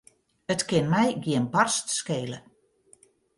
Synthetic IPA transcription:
ətkɪnmɛjɡiənbɔrstskeːlə

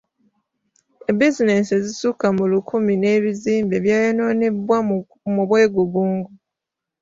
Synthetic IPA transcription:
ebizine̞sezisukamulukʰumine̞ːβiziːmbe̞βjaːjano̞ːnebwa | muβwe̞ːɡuβuːŋɡu

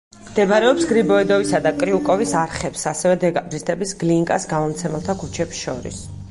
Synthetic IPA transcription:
md̪ɛbaɾɛɔpsɡɾibɔɛd̪ɔvisad̪akʼɾiukʼɔvisaɾχɛpsasɛvɛd̪ɛɡʼabɾist̪ʰʼɛbisɡliŋkʼa̰sɡamɔmt̪sʰɛmɛlˠt̪ʰakʰut͡ʃʰɛpsʃɔ̰ɾḭs

